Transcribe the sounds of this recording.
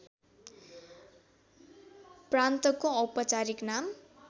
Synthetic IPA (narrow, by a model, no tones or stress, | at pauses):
prant̪ʌkõupʌt͡saɾiknam